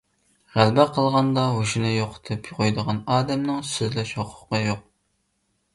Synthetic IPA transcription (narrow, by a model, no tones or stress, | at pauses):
ʁælbɛqʰəlˠʁɑnd̪ɑɦoʃunɨjoqʰt̪ʰpjʊʁʰojd̪əʁɑnɑːd̪ɛmnɨŋsyzlɛʃhoqʰʊ̥qːɑjoq̚